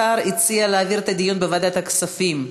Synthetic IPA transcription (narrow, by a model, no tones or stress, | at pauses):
aɾit͡sialeːviʁt̪ad̪ijunbevad̪at̪aksafim